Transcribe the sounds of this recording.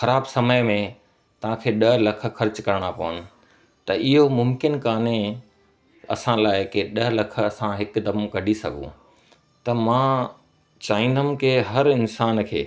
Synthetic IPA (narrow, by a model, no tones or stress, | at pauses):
xɐɾaːbsɐməjmẽ | t̪ɐʋ̤ãkʰeːɗɐɦlɐkʰə̆xɐɾt͡ɕkɐɾɽ̃apɐʋənɪ̆ | t̪ɐɪɦomʊmkɪnkaːnẽ | ɐ̰sãlaːɪkɪɗɐɦlɐk̆ʰɐsãɦɪkd̪ɐmkɐɖʱisɐ̰ɡʱṵ̃ | t̪ɐmãː | t͡ɕaːĩːnd̪əm̆keːɦɐɾɪnsaːnkʰḛː